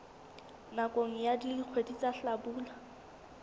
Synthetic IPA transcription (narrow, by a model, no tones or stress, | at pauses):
nakʼoŋ̩jadiliq͡χʰwedit͡sʼaɬabuːla